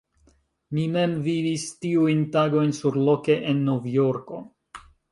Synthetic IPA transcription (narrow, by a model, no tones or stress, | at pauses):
mime̞mvivistiujntaɡo̞jnsuɾlo̞ke̞ʔenːovjo̞ɾko̞